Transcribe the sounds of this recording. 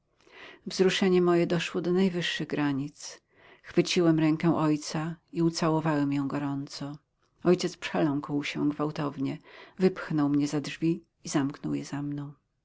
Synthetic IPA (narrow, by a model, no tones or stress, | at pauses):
vzɾuʂɛɲɛmɔjɛd̪ɔʂwɔd̪ɔnajvɘʂːɘɣɡɾaɲit̪s | xfɘt͡ɕiwɛmɾɛŋkɛ̃ʔɔjt̪saiut̪sawɔvawɛmjɔ̃w̃ɡɔɾɔnt̪sɔ | ɔjt͡ɕɛt̪spʂɛlɔ̃ŋkwɕɛ̰ɡvawt̪ɔvɲɛvɘpxnɔwmɲɛzadʐvʲiː | zamknɔwjɛzamnɔ̃w̃